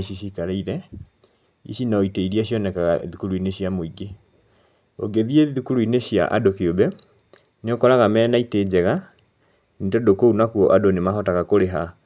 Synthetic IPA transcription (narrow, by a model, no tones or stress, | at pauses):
ɕiɕikaɾeiɾɛ | ḭɕinaoiteiɾiaɕiɔnɛkaɣaðukuɾuineɕiamoiɡe | o̰ɡeðieðukuɾuineɕja̰ʔa̰dokeobɛ | neokɔɾaɣamɛːnaited͡ʑɛɣa | netodokounakuɔʔadonemaɦɔtaɣakoɾeɦa